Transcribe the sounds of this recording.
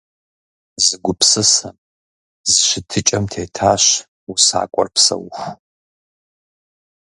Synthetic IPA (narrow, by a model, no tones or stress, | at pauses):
zɨɡʷʊpsɨsɐm | zɨʃɪtʰɨt͡ʃʼɐmtʰeːtʰaːɕ | usa̰ːkʷʼɔ̰rpsɐ̰wx